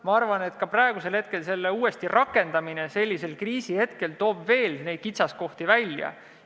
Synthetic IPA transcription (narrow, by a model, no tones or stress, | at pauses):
mɑɑrvɑne̞t̪ˑkɑprɑeɡ̥use̞lhe̞t̪̚ke̞lse̞lːeuːe̞st̪irʔɑkːˑe̞nd̪̥ɑmine̞se̞lʲːise̞lkriːsihe̞t̪ke̞lt̪o̞ːbve̞ːlne̞jd̪̚kit̪sɑsko̞ht̪ivælʲjɑ̰